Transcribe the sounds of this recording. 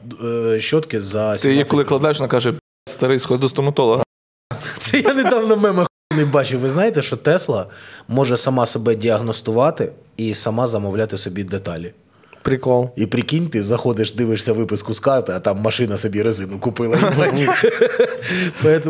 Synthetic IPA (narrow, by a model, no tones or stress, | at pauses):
ʃt͡ʃːɔt̪kɪzɐsʲt̪ɪjikɔlˠɪklˠɐd̪ɑjʃʋɔnkɑʒɛ | st̪ɐɾɪskɔd̪d̪ʊst̪ɔmɐt̪ɔlˠɔɦɐ | t̪sɛj̪anɪd̪ɑwnɐmɛmɛ | nɪjbɑt͡ʃɪʋɪznɑjet̪ɛʃt͡ʃɔt̪ɛslˠɐmɔʒɛsɐmɑsɔbɛdʲiɐɦnɔst̪ʊʋɑt̪ɪ | isɐmɑzɐmɔwlʲat̪ɪsɔbʲid̪et̪ɑlʲi | pɾʲɪkɔlˠipɾʲɪkʲinʲt̪ɪzɐxɔd̪ɪʃd̪ɪʋɪʂsʲɐʋɪpɪskʊskɑrt̪ɪɐt̪ɑmːɐʃɪnɐsɔbʲiɾezɪnʊkʊpɪlˠɐɐɐnʲi | pɔɛt̪